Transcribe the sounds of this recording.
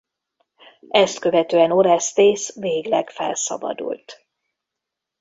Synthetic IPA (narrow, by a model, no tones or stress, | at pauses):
ɛst̪kø̞vɛt̪øːɛno̞ɾɛst̪eːsveːɡlɛkfɛ̰lsɒ̰bɒ̰d̪ṵlt̪